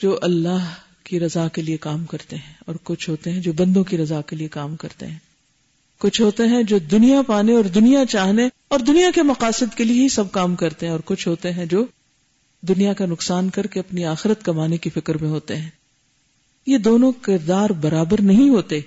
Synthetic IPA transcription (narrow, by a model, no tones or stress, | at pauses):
d͡ʒoːʔɐlːaɦ | kiɾɐzakeliekaːmkɐɾt̪eɦɛ̃ɔːɾkʊt͡ʃʰɦoːt̪eɦɛ̃d͡ʒoːbɐ̃nd̪õkiɾɐzaːkeliekaːmkɐɾt̪ḛɦɛ̃ː | kʊt͡ʃʰɦoːt̪eɦɛ̃d͡ʒoːd̪ʊnijapaːneɔːɾd̪ʊnijat͡ʃaːɦne | ɔːɾd̪ʊnijakemɐqaːsɪd̪kelieɦisɐb̚kaːmkɐɾt̪eɦɛ̃ɔːɾkʊt͡ʃʰɦoːt̪eɦɛ̃d͡ʒoː | d̪ʊnijakanʊqsaːnkɐɾkeɐpniaːxɪɾət̪kɐmaːnekifɪkɾmẽɦoːt̪eɦɛ̃ː | jed̪oːnõkɪɾd̪aːɾbɐɾaːbəɾnɐɦĩɦoːt̪eː